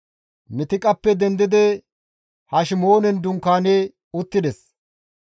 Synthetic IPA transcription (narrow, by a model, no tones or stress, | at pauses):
mɪt̪ɪkʼɐpːɛd̪ɛnd̪ɪd̪ɛ | hɐʃɪmo̞ːnɛnd̪ʊŋkaːnɛ | ʊt̪ːɪd̪ɛs